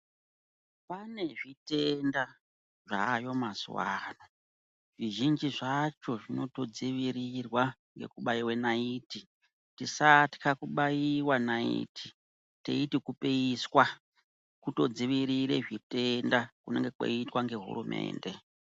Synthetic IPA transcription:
pane̞ʐitenda | ʐa̰jo̞maswa̰no | ʐ̥iʒind͡ʒiʐat͡ʃo̞ʐino̞to̞d͡ziʋiɾirwaŋɡe̞̰kuɓaiwe̞naiːti | tisatkʰakuɓajiwanaḭtʰi̥ | tḛitikupeiswa | kuto̞d͡ziʋiɾiɾḛʐite̞ndakune̞ŋɡe̞kwo̰itwaŋɡe̞ɦṵrumʔe̞̰ːnde̞

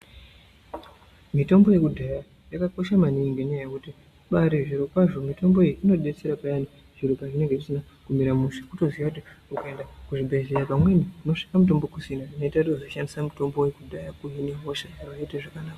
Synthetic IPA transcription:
mito̞mbo̞je̞kudʱaja | jakako̞ʃamaniːŋɡenajekuti | ɓaɾiʐiɾukwaʐo̞mito̞mbo̞ijiʔino̞ɗe̞t͡se̞ɾapajani | ʐ̥iɾukaʐine̞ŋɡe̞ʐisina | kumiɾamuʃḁkuto̞ziʋakutiukae̞ndakuʐibʱezejapamwe̞nikuno̞ʂi̥kamut̬o̞mbo̞kusinaino̞itakutiuzoʃandisamuto̞mbo̞wekudʱajakuɦineɦoʃaaraiteʐakanaːka

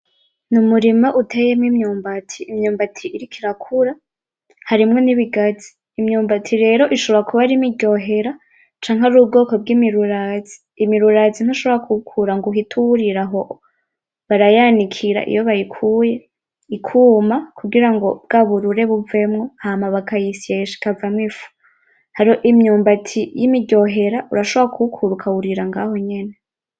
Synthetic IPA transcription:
numuɾimaʔutʰejemŋimɲuːmbatʰiːmɲuːmbatʰiʔːɾikʰiɾakʰuɾa | haɾimŋoniβiɡazi̥ːmɲuːmbatʰiɾe̞ːɾo̞ʔiʃoβɾakʰuβaɾimiɟo̞ːɦe̞ɾa | t͡ʃaːŋɦaɾuːb̚ɡo̞ːko̞b̚ɡiːmiɾuɾazi̥ːmiɾuɾazin̥aʃo̞βoɾakʰukʰuɾaŋɡuɦitʰuɾiɾaɦo | βaɾajanikʰiɾa̰ʔḭjoβajikʰuje | ikʰuːmakʰuɡiɾaŋɡo̞bɡaβuɾuɾe̞βuve̞mŋohamaβakajisieʃi̥kavamŋifu̥ | haɾihoʔimɲuːmbatʰijimiɟo̞ɦe̞ɾaʔuɾaʃoβakʰukʰuɾukʰauɾiɾaŋɡaːho̞ɲe̞ne

